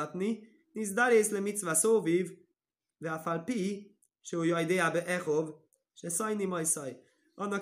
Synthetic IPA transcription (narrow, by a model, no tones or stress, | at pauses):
tni | nɪs̬daɾeslɪmɪt͡svasoːviv | viafalˠpi | ʃɛujɔɪdeːabəʔɛχʊv | ʃɛsɔɪnimɔɪsɔɪ | ɔnɔ